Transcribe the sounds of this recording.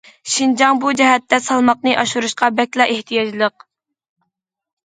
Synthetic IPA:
ʃind͡ʒɑŋbud͡ʒɛɦɛt̪ːɛsɑlˠmɑqnɨʔɑʃuɾuʃqɑbɛkʲlˠɑʔeht̪ʰijɑd͡ʒlˠəq

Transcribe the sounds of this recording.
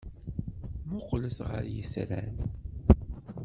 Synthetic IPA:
mʊqləsʁə̰ɾjəsɾæn

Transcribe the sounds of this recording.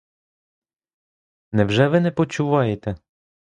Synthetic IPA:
nɛwʒɛʋɪnɛpɔt͡ʃuʋɑjet̪ɛ

